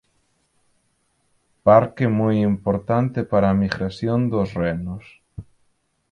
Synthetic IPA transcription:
paɾkemujimpoɾt̪ant̪ɪpaɾaːmiɣɾasjond̪osrenʊs

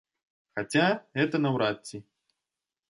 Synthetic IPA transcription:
xat͡sʲaɣɛt̪ɐnɐwɾat̪ʲt͡sʲːi

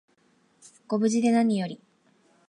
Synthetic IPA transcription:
ɡ̥o̞bɯ̟ʑid̪e̞naɲ̟ijo̞ɾʲi

